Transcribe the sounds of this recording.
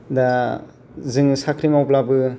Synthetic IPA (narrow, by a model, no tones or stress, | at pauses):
da | zɯŋsakʰɾiŋawplabɯ